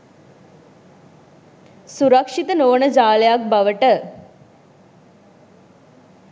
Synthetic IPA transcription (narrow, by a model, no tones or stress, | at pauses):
suɾəkʂit̪ənoːnəd͡ʒaːləjak̚baʋəʈə